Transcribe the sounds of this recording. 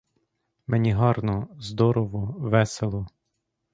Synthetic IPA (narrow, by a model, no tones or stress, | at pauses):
menʲiɦɑrnɔzd̪ɔɾɔʋɔʋɛselˠɔ